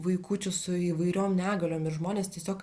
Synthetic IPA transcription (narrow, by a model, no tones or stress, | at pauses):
ʋɐɪkuːt͡ʃʲʊsʊiːʋɐɪɾʲoːmnʲæːɡɐlʲoːmɪɾʒmoːnʲeːst̪ʲiɛsʲoːk